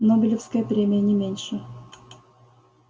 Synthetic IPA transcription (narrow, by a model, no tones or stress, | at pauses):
nobʲɪlʲɪfskəjəpɾʲemʲɪjənʲɪmʲenʲʂɨ